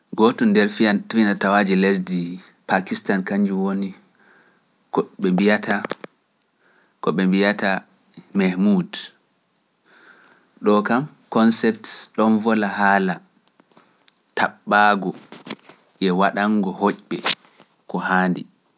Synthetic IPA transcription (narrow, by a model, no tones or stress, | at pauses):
ɡɔtɔndɛɾfijantfinatawad͡ʒiles̬di | pakistankaɲd͡ʒuwoni | kɔɓɛmbijata | kɔɓɛmbijata | mahmud | ɗɔkam | kɔnsɛp̚tɗɔnvɔlahala | tʰaɓːaːɡɔ | jɛwaɗaŋɡɔhoʔɓɛ | kɔhaːndi